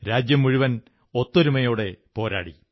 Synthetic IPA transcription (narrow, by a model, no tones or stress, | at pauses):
ɾaːd͡ʑjɐmːuɻiʋɐn | ot̪ːoɾumɐjo̞ːɽe̞po̞ːɾa̰ːɽḭ